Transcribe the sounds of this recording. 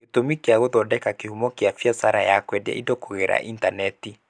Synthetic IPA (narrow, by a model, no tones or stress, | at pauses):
etomikeaɣoðɔdɛkakehumɔkeafiasaɾajakwɛda̰ḭdokoɣeɾa̰ʔintanɛti